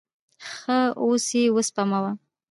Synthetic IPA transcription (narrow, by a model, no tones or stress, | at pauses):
xəosiwəspamawa